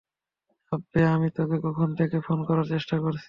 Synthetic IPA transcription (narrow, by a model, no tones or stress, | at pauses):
ɔbeamit̪okekɔkʰont̪ʰekefonkɔɾaɾt͡ɕeʃʈakoɾt͡ɕʰi